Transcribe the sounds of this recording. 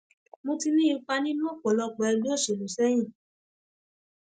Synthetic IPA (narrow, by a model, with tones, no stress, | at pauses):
mõ˧ti˧nĩ˦˧˦k͡pa˧nĩ˦nũ˦o˦˨k͡pɔ˨lɔ˧˨k͡pɔ˨ɛ˧du˦o˦˨ʃe˨lo˨sɛ˦j̃ĩ˦˨